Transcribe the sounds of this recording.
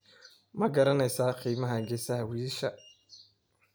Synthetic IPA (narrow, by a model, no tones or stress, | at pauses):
mɐɡɐɾɐnɛjsaːqiːmɐɦɐɡɛsɐhɐwiːʃɐ